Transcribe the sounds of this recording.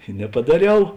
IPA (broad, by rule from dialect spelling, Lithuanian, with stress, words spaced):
ɪ nʲɛpɐdɐˈrʲɛʊ